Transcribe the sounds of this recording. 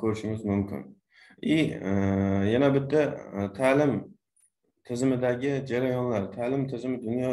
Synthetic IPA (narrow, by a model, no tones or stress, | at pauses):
kʰɵɾɪʃɪmɪzmʊmkʰʲɪ̰n | ɪ | janabɪt̪ʰːat̪ʰalɪm | t̪ʰɪzɪmɪd̪aɡʲɪd͡ʒaɾajɒnlaɾt̪ʰalɪmt̪ʰɪzɪmɪd̪ʊnjɒ